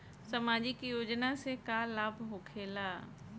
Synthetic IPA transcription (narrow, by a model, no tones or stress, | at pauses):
sɐmaːd͡ʒikijoːd͡ʒnasekalaːbʱɦokʰeːlaː